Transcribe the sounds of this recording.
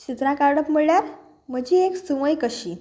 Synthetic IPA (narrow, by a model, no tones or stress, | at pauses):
t͡ɕit̪ɾãkaɾɽəpm̤əɭɭjaɾ | m̤əd͡ʑieksuʋəjkəɕiː